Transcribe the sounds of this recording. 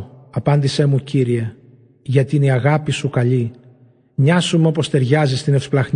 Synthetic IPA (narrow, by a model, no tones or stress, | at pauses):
ɐpɐnd̪ise̞muciɾie̞ | ʝɐt̪iniɐɣɐpisukɐʎi | ɲɐsumeo̞po̞st̪e̞ɾʝɐzist̪ine̞fsplɐɣn